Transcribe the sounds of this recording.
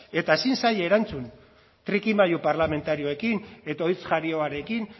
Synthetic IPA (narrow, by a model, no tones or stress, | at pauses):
e̞t̪aesinsaje̞ɾant͡sun | t̪ɾikimajupaɾlame̞nt̪aɾio̞e̞kine̞t̪aojt͡sʝaɾio̞aɾe̞kin